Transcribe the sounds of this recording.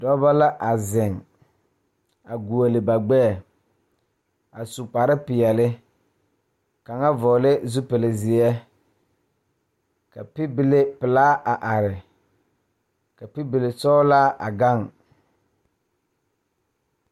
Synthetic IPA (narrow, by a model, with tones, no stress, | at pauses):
dɔ˦ba˦la˦ʔa˨zɪ˨ŋ | a˨ɡu˨o˨lɪ˨ba˨ɡ͡bɛ˦˨ | a˨su˨k͡pa˨ɾɪ˦pɪ˨ɛ˨lɪ˦ | ka˨ŋa˦vɔ˨lɪ˦zu˦pɪ˨lɪ˨zɪ˨ɛ˦ | ka˨pɪ˦bɪ˨le˦pɪ˨laː˦ʔa˨ʔa˨ɾɪ˨ | ka˨pi˦bɪ˨le˨sɔ˦laː˦ʔa̰˨ɡa˦˨ŋ